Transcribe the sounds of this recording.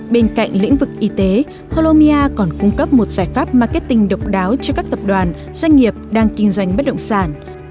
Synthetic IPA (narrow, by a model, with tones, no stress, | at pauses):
ɓe˧nka̰˧˨jŋ̟lḭ˧˥əŋvɨ˨˩k̚ʔi˨˦t̪e˨˦ | po˧lo˧mi˧ʔaː˧kɔ˨˧˩nkʊ˧ŋ͡mkə˦˥p̚mo˨˩t̚z̥aː˧˩jfaː˦˥p̚maː˨˩ke˦˥t̚t̪ï˧˩ŋ̟ɗə˨˩wk͡p̚ɗaː˨˦wt͡ɕɔ˧kaː˦˥k̚t̪ə˨˩p̚ɗwaː˨˩n | zwa˧ŋ̟ŋi˨˩əp̚ɗaː˧ŋkï˧ŋ̟zwa˧˩jŋ̟ɓə˦˥t̚ɗə̰˧˨wŋ͡msaː˧˩n